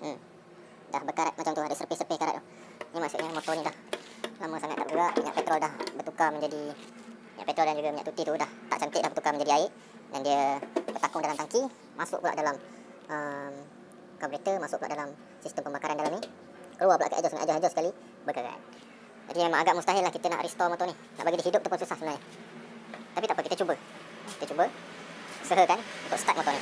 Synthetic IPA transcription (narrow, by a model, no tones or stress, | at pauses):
m | dahbəkaɾat̪̚mat͡ʃamt̪uadəsərpɪhsərəpɪhkaɾat̪̚ | nimaʔsʊʔɲəmɔt̪ɔɲilah | laməsaŋat̪̚ːaʔbuɾaʔmiɲa̰ʔpɛt̪ɾɔldahbərt̪ukamə̃ɲd͡ʒadi | miɲaʔpɛt̪ɾɔldand͡ʒuɡamiɲa̰ʔt̪ut̪it̪udaht̪a̰ʔt͡ʃant̪ɪʔ̚lahbərt̪ukaməɲd͡ʒadiaɪʔ | dandiəbərt̪akʊŋdalamt̪aŋki | masʊ̰ʔpula̰ʔdalam | ʔəm | kabɾet̪əmasʊʔ̚pulaʔdalam | sist̪əmpəmbakaɾandalamnih | kəluapula̰ʔkə̰ʔad͡ʒɔsŋaʔ̪ad͡ʒɔsad͡ʒɔsəkali | bəkəɡa̰ʔa̰n | d͡ʒadimemãŋaɡaʔmust̪aɦalahkit̪əna̰ʔɾɛst̪ɔmot̪ɔnih | na̰ʔbaɡidiɦidʊp̚t̪awpʊnsusahsəbənaɲə | t̪apit̪aʔpəkit̪ət͡ʃubə | kit̪ət͡ʃubə | səɦəkanunt̪ʊkst̪at̪mõt̪ɔni